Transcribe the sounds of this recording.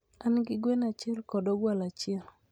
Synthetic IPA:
anɡɪɡwenat͡ʃɛlkɔdɔɡwalat͡ʃɪɛl

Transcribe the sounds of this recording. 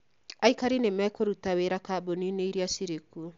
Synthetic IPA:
aikaɾinemakoɾutaweɾakabonineiɾiasiɾeku

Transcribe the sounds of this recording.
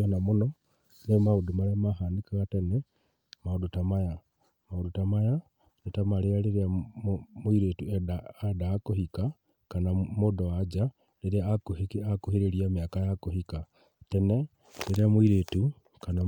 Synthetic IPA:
onamuno | nemaudumaɾemaxanikaɣatene | maudutamaja | maudutamaja | netamalejaleɾea | mwiɾetuedadaːkohika | kanamudowad͡ʒa | leɾeakuhikiakuhiɾeɾiamiakajakohika | tene | leɾeamwiɾetu | kana

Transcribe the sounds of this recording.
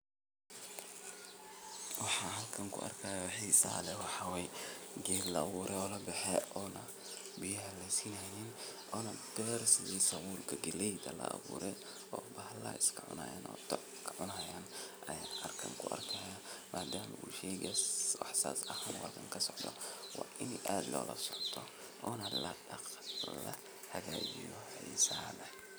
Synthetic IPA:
wɑħɑːɦɐlkʰɐŋkʰʊ̰ʔɐ̰rkʰɐːjaħiːsɐ̰lɛwɑħɑwɛjɡɛːllɐɐβuːɾʔɛɔːlɐbɛħɛʔɔːnɐ | bɪjɐɦɐlɛjsiːnɐjɪnʔɔːnɐb̥ɛɾsɪisɐwuːlkʰɐɡɛlɛjd̪ɐlɐ̰ʔɐ̰βṵːɾɛ | ɔːbɐhlɐɪskʰɐʕʊ̰nɐ̰ja̰ːnɔ̰ːt̪ɔʔ | kʰɐʕʊnɐjaːnʔɐjanʔɐrkʰɐŋkʰʊʔɐrkʰɛjamʔaːd̪aːmɐuːʃɛjɣɐwɑħsa̰ːsɐhaːnwɑ̰ːd̪ɐŋkʰɐsɔʕd̪ɔ̰wɑːʔɪnɛʔaːd̪lʔɔ̰ːlɐsɔʕt̪ʰɔ | ʔɔːnɐlɐɖɐqlɐ | hɐɣaːt͡ʃḭjɔhɛjsaːlɐ

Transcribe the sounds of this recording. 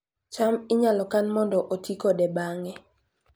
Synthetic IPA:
t͡ʃamɪɲalɔkanmɔndɔʔotikodɛbaŋɛ

